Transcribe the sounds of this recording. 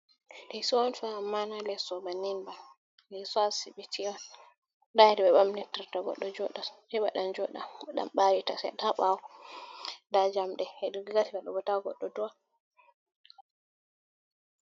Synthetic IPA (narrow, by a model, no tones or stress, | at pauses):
dɛsɔwɔnfaːmːanalɛsɔbaninba | nɛsɔasibitʰiwa | daɛdɛɓɛɓamnɛtaɾtaɡɔ̰ɗːɔd͡ʒɔɗahɛɓa̰ɗand͡ʒɔɗa̰aɗa̰mɓawita̰sɛ̰taɓawɔ | dad͡ʒamɗɛɛɗɡɡatibaɗɔbɔtawɡɔ̰ɗːɔdua